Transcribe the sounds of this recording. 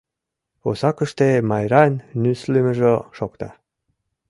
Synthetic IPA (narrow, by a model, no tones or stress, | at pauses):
osɑkə̆ʃt̪emɑjɾɑnːyslemə̆ʒoʃokt̪ɑ̰